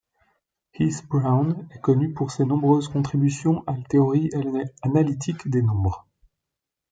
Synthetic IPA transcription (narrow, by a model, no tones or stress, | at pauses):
hisbʁawnɛkɔnypuʁsenɔ̃bʁøzkɔ̃t̪χibysjɔ̃ʔalat̪eɔʁianalit̪ʰikd̪enɔ̃bʁ